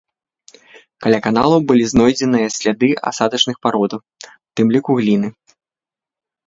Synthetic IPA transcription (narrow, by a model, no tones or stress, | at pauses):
kalʲakan̪a̰lˠɐwbɨlʲiznɔjd͡zʲɛnɨjɐsʲlʲad̪ɨa̰sad̪ɐt͡ʂnɨxpaɾɔd̪ɐw | wt̪ɨmlʲikuɣlʲinɨ